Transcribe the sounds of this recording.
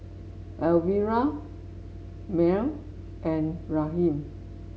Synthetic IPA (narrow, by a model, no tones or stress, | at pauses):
ʔɛlwiɹa | mɛ̃m | ʔɛ̃nɹaɦĩm